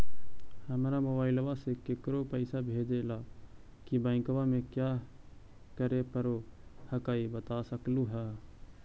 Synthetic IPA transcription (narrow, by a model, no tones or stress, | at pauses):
həmɾamobaːɪlwasekekɾopəɪsabʱeːd͡ʒela | kibãɪ̃kwamẽkjaː | kəɾepəɾohəkaːibət̪asəkluɦɛː